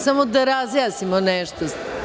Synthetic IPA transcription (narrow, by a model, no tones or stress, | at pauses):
samod̪ɐɾaziasimɐnɛʃt̪os